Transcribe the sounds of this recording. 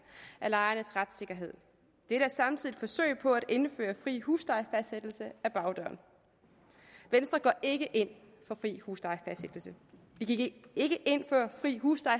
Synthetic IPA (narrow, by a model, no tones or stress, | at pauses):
ʔælɑ̈ɪɐnəsʁad̥se̝ɡ̥ɐɦe̝ð̞̰ˠ | d̥eɾəæɐsɑ̈mt͡sʰið̰ˠifɒ̽sø̰ɪ̰pʰɒ̽æɾ̥e̝nfø̰ːɐfʁḭːhuːsd̥ɑ̈ɪfæsd̥sed̥l̩səæb̥ɑ̈ʊd̥œɐ̰n | ʋensd̥ʁɐɡ̥ɒʔe̝ɡ̥əʔe̝n̰ | fɒ̽fʁḭːhuːsd̥ɑ̈ɪfæsd̥sed̥l̩sə | ʋiɡ̥iɡe̝ɡ̥əʔe̝n̰fɶɐfʁḭːɦuːsd̥ɑ̈ɪ